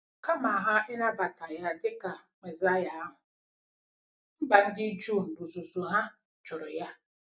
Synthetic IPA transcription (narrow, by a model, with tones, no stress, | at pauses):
ka˦ma˨ɦa˦ɪ˦na˦ba˨ta˨ja˦dɪ˦ka˨me˨za˦ja˨a˦ɦʊ˨ | m̩˦ɡ͡ba˨n̩˦dɪ˦d͡ʒu˦˨m̩˨bu˨zu˨zu˨ɦa˦ | t͡ʃʊ˨ɾʊ˨ja˦